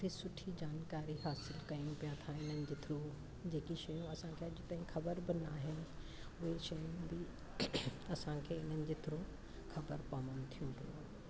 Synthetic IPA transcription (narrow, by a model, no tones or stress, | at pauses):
ʊt̪ʰesʊʈʰid͡ʑaːnkaːɾiɦaːsɪlkɐijũpijãt̪ʰaɪn̤ənɪ̆d͡ʑɪt̪ʰɪɾũ | d͡ʑeːkiʃɐjũɐsãkʰeɐd͡ʑɪt̪aːɦĩkʰɐbəɾbɪnaːɦɪnɪʊɦeʃɐjũbi | ɐsãːkʰeːɪn̤ənɪ̆d͡ʑɪt̪ʰɪɾũ | xʰɐbəɾpaːmənt̪ʰijũpɪjṵ̃